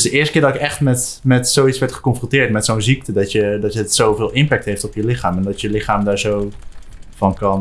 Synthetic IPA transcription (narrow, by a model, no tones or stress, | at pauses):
sdəɪːɹstəkɪːɹdɑɪkɛχtmɛtmɛtsowitsʋɛɹtχə̥kɔnfrɔ̃ntɪːɹtmɛtsownziktədɑtjədɑtəsowvɪːlˠɪmpɛk̚tɦejftɔpjəlɪχaːmɛndɑtjəlɪχaːmdaːɹzow | v̥ɑnkɑn